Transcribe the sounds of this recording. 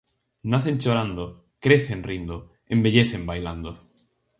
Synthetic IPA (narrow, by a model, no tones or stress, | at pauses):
naθẽnt͡ʃoɾand̪o | kɾeθenrind̪o | ẽmbeʎeθembajland̪o